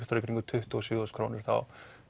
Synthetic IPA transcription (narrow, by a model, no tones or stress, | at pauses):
ht̪ɔɾekɾiŋkʏt̪ʰʏht̪ʏɔsjʏːɔskʰɾoːnɪɾ̥θa̰w